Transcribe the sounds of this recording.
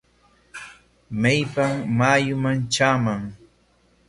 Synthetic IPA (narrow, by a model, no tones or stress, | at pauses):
majpammaːjʊmant͡ʃaːmaŋ